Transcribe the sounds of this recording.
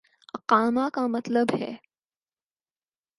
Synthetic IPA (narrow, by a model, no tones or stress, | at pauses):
ɐqaːmakamɐt̪ləbhɛ̰ː